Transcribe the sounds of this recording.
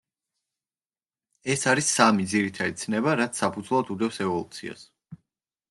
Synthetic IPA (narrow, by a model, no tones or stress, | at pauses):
ɛsaɾisamid̪ziɾit̪ʰad̪it̪sʰnɛbaɾat̪sʰsapʰud̪zlˠad̪ud̪ɛfsɛvɔlˠut̪sʰḭa̰s